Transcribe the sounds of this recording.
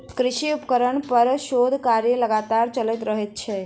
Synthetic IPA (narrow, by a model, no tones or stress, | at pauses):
kɾɪʃiupkəɾəɳpəɾʃod̪ʱkaɾjələɡat̪aɾt͡ʃəlɛt̪ɾəɦet̪̚t͡ʃʰɛ